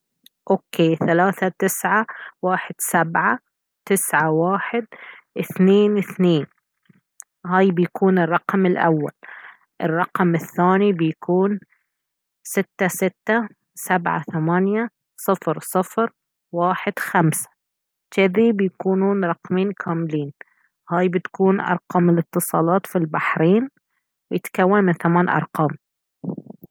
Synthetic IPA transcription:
ʔoːkʰeːθalaːθat̪ɪsʕawaːħɪd̪̥sabʕa | t̪ɪsʕawaːħɪd̪ʔɪθneːnɪθneːn | haːjbɪjakʰuːnɪrˤːɑqmɪlʔa̰wːa̰l | ʔɪ̰rˤːɑqmɪθːaːnibɪjakuːn | sɪt̪ːasɪt̪ːa | sabʕa̰θamanja | sˤɨfɾsˤɨfɾ | waːħɪd̪̥xamsḁ | t̪ɪðibɪjakuːnuːnɾˤɑqmiːnkʰaːmɪliːn | haːjbɪt̪kuːnʔɑ̰ɾˤqɑːmɪlɪt̪ːɨsˤɑːlɑːt̪filbaħɾiːn | wɪjɪt̪kawːanmɪnθamaːnʔɑ̰ɾˤqɑːm

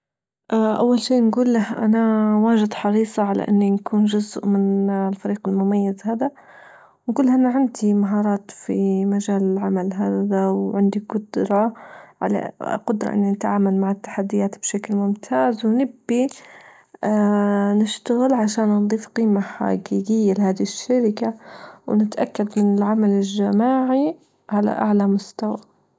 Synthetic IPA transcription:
ʔaʔawːalʃiːnɡuːlːahʔa̰nawaːʒɪd̪ħɑɾiːsˤɑʕala̰ʔɪ̰nːinkʰuːnʒʊzʔmɪnlfaɾiːqɪlmʊmajːazhaːd̪a | wnkʊlːhaʔanaʕɪnd̪imaɦɑːɾˤɑːt̪fimaʒaːlɪlʕamalɦaːd̪awʕɪnd̪iɡʊd̪ɾˤɑʕa̰la̰qʊd̪ɾˤɑ̰ʔɪ̰nːinɪt̪ʕaːmalmaʕɪt̪ːḁħad̪ːɪjaːt̪bʃaklmʊmt̪ʰaːzwnɪbːi | nɪʃt̪aɣɪlʕaʃaːnːnd̪ˤiːfqiːmaħa̰ɡiːɡɪjːalɪhaːd̪iʃːaɾɪkawnɪt̪ʔakːad̪mɪnɪlʕamalɪlʒamaːʕi | ʕala̰ʔa̰ʕlamʊst̪awa

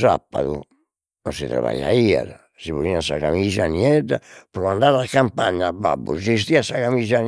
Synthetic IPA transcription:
sapːaðṵ | nɔnsit̪ɾa̰βa̰jaia̰ɾ | siβuɾiasaɣamizaniɛd̪apɾɔand̪aːɾakːampaɲːaba̰bːusist̪iasakamizan

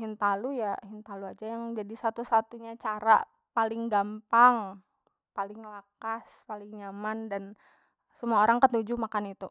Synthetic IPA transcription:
hint̪alujaɦint̪aluad͡ʒajaŋd͡ʒadisat̪usat̪uɲat͡ʃaɾa̰ | palɪŋɡampaŋ | palɪŋlakaspalɪŋɲamandan | səmuaoɾaŋkət̪ud͡ʒumakanit̪u

